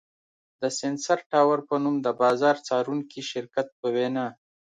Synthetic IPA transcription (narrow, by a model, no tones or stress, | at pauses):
d̪əsɪnsaɾʈɑːwaɾpənumd̪əbɑːzɑɾt͡sɑɾuŋkiʃɪɾkat̪̚pəwenɑː